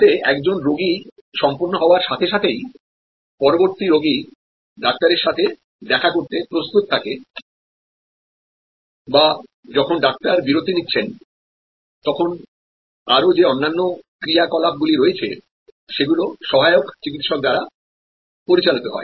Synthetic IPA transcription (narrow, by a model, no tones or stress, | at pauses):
eɛkd͡ʑonɾoɡi | ʃɔmpoɾnoɦɔoaɾʃat̪ʰeʃat̪ʰej | pɔɾoboɾt̪iɾoɡi | ɖak̚t̪aɾeɾʃat̪ʰe | d̪ɛkʰakoɾt̪epɾost̪ut̪t̪ʰːake | ba | d͡ʑɔkʰonɖak̚t̪aɾbiɾod̪ʱinitːɕʰen | t̪ɔkʰon | aɾod͡ʑeɔnːanːokɾijakɔlab̚ɡuliɾoet͡ɕʰe | ʃeɡuloʃɔɦaeokt͡ɕikit̪ʃɔk̚d̪aɾa | poɾit͡ɕalit̪oɦɔ̰e